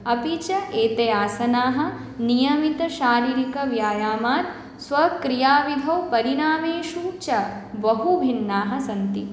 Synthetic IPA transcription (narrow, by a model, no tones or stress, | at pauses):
ɐpit͡ʃɐʔeːt̪ejaːsɐnaːɦɐ̆ | nijɐmit̪ɐʃaːɾiːɾikɐʋjaːjaːmaːt̪ | sʋɐkɾijaːʋid̪ʱɐwpɐɾiɾaːmeːʃut͡ʃɐbɐɦubʱinːaːɦɐ̆sɐnt̪i